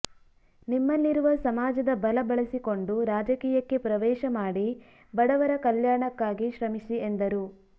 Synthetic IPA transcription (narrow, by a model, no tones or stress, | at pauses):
nimːɐlːiɾuʋɐsɐmaːd͡ʒɐd̪ɐbɐlɐbɐɭɐsiko̞ɳɖuɾaːd͡ʒɐkiːjɐkːe̞pɾɐʋɛːʃɐmaːɽi | bɐɽɐʋɐɾɐkɐljaːɳɐkːaːɡiʃɾɐmisie̞nd̪ɐɾu